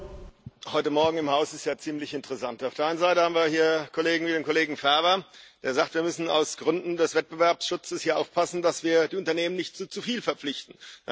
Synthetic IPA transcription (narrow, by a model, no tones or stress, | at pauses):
hɔʏtəmɔɐɡŋ̩ɪmhaʊsɪstjaːt͡siːmlɪçɪntəʁɛsantaʊfeːɐaɪnənzaɪtəhaːbm̩viːɐhiːɐkʰoleːɡŋ̩viːdeːnkʰoleːɡŋ̩fɛɐbɐd̥eːɐzaːktv̥iːɐmʏsn̩a̰ʊsɡ̥ʁʏndn̩dɛsv̥ɛt̚b̥əvɛɐpsʃʊt͡səshiːɐʔaʊfpʰasn̩dasv̥iːɐdiːʊntɐneːmənɪçtt͡suːt͡sufiːlfɛɐp͡flɪçtn̩